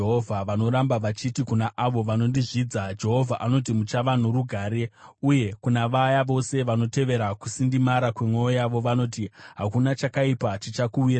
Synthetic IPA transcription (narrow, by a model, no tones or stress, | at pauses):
ɦovʱaʋano̞ɾambaʋat͡ʃitikunaʔaʋo̞ʋano̞ndiʐiːd͡zad͡ʒe̞ɦo̞vʱaʔano̞t̬imut͡ʃaʋan̤uruɡʱaːɾe̞uje̞kunaʋajaʋo̞se̞ʋano̞te̞ʋe̞ɾakusindimaɾakwe̞mwejojaʋo̞ʋano̞tiɦakunat͡ʃakaipat͡ʃit͡ʃakuwira